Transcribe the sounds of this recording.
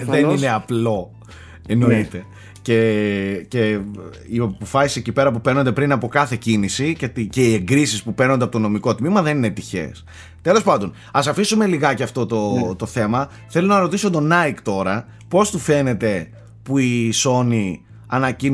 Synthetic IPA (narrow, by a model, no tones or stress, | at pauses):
ðenineɐplo̞ | eno̞it̪e̞ | cece̞ | iɐpo̞fɐsi̥secipe̞ɾɐpupe̞ɾno̞nd̪epɾinɐpo̞kɐθe̞cinisicet̪ice̞ie̞ŋɡɾisispupe̞ɾnod̪pot̪ono̞miko̞t̪mimɐðe̞nine̞t̪içe̞̰s | t̪e̞lo̞spɐnd̪o̞n | ɐsɐfisume̞liɣɐceɐft̪o̞t̪ot̪oθe̞mɐ | θe̞lo̞nɐɾo̞t̪isot̪o̞nɐikt̪o̞ɾɐ | po̞st̪ufe̞ne̞t̪e̞ | puiso̞ni | ɐnɐcin